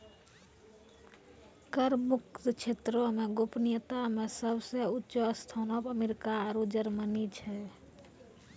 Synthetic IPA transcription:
kəɾmuk̚t̪t͡ʃʰet̪ɾomeɡopnijət̪amesəbʱseutːʃoəst̪ʰanɔbəmeɾikaːɾud͡ʒəɾmənit͡ʃʰɛ

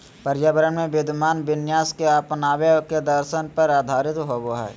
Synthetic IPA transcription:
pɐɾjabəɾənmẽbeːd̪ʱmaːnbɪnjaːskeapnaːʋeked̪əɾʃənpəɾaːd̪ʱaːɾɪt̪ɦoːboɦɛ̰ː

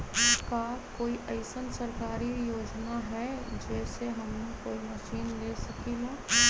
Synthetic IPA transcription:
kakoːiʔɐɪsənsɐɾkaːɾijoːd͡ʒnaɦɛd͡ʒɛːseɦɐmekoːimɐʃiːnleːsɐkilaː

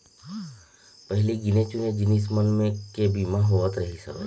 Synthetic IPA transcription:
pəɦɪliɡɪnet͡ʃuned͡ʒɪnis̬mənmẽkebiːmaɦoʋət̪ɾəɦisə̰ɾ

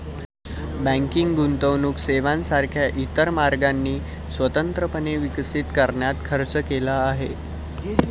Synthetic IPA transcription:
bæ̃ŋkiŋɡɡunt̪əʋnuːkseʋansaɾkʰjaʔit̪əɾmaɾɡanːiː | sʋət̪ənt̪ɾəpəneʋiksit̪kəɾɳjat̪kʰəɾt͡səkelaːɦe

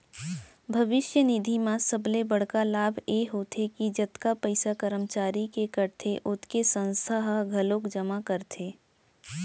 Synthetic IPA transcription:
bʱɐʋɪʃjənid̪ʱimãsəblebɐɽ̤kalaːbʱjeɦot̪ʰekid͡ʒɐt̪kapəɪsakəɾəmt͡ʃaːɾikekəɾt̪ʰeʔʊt̪ʰkesə̃nsʰaɦaɡʱɐlokd͡ʒəmakəɾt̪ʰeː

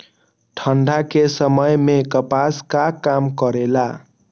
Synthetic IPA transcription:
ʈʰəɳɖʱakesəməjmekəpaskakamkʌɾela

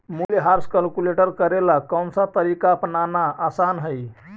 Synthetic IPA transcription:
muljɦaɾskəlkuleʈəɾkəɾelakəmsãt̪əɾikapnanaasanɦəj

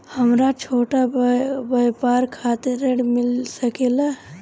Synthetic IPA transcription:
həmɾat͡ʃʰoːʈabəjpaːɾkʰaːt̪eɾeɖmɪlsəkela

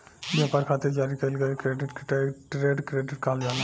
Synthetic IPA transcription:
bapaɾkʰat̪ʰed͡ʒaɾikəlɡɛkɾeɖiʈkʈɾeɖkɾeɖiʈkald͡ʒana

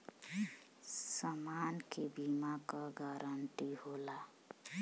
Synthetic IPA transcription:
səmankebimakaɡaɾəɳʈiɦola

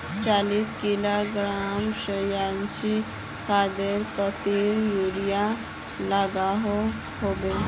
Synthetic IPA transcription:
t͡ʃaliskilaɡɾamʃəjant͡ʃi | kad̪eɾkət̪iɾjuɾija | laɡaɦo | hobe

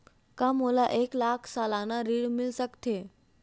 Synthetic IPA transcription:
kamolaʔeklakʰsalanaɾiɽmɪlsəkt̪ʰe

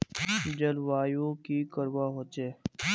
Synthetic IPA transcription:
d͡ʒəlʋaːjoːkiːkəɾʋaːɦoːt͡ʃeː

